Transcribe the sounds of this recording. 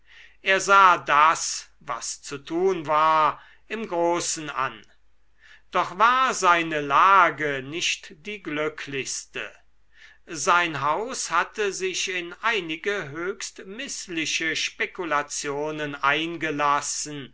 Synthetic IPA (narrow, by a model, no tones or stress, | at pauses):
ʔeːɐzaːdas | va̰st͡sutʰuːnvaːɐ | ʔɪmɡʁoːsn̩ʔa̰n | d̥ɔχvaːɐzaɪnəlaːɡənɪʃtd̥iːɡlʏkʰlɪçstə̰ | zaɪnɦaʊshatʰəzɪʃɪnʔaɪnɪɡəɦøːçstmɪslɪʃəʃpekulat͡sjoːnənʔaɪnɡəlasn̩